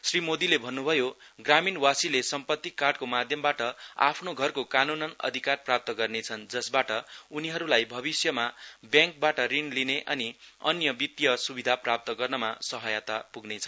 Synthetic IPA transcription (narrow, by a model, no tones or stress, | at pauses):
srimod̪ilebʱʌnːubʱʌjoɡraminwasilesʌmpʌt̪ːikːarɖkomad̪ʱjʌmbaʈʌa̰pʰnoɡʱʌrkokanunʌnʌ̰d̪ʱikarprap̚t̪ʌɡʌrnet͡sʰʌnd͡zʌsbaʈʌuniɦʌɾulajbʱʌbisjʌmabjãŋk̚baʈʌrinlineʔʌniʌnjʌbit̪jʌsubid̪ʱaprap̚t̪ʌɡʌrnʌmasʌɦʌjat̪apuɡnet͡sʰʌn